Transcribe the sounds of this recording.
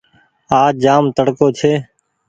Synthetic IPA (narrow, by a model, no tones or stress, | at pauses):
aːd͡ʒaːmt̪əɽkoːt͡ʃʰeː